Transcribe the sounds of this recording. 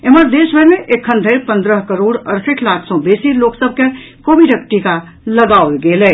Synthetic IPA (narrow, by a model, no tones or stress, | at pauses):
eməɾd̪eːsbʱəmẽʔekʰːə̃nd̪ʱəɪɾpə̃nd̪ɾəɦkəɾoːɽəɾseʈʰlaːkʰsɔ̃besiloːksəb̚ʱkekoːbiɖək̚ʈika | ləɡaolɡeːlɛ